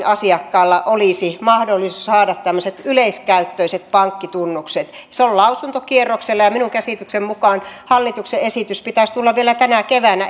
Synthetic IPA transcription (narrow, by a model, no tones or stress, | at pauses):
ɑsiɑkːɑːlːɑʔoliˑsimɑhdolːisushɑːdɑt̪t̪æmːøset̪yleiskæyt̪ːøiset̪̚pɑŋkːit̪unːukset̪ | seollɑusunt̪okierːokselːɑjɑminuŋkæsiˑt̪yksemmukɑːnhɑlːit̪ukseesiˑt̪yspit̪æst̪ulːɑʋʋielæt̪ænækeʋænæ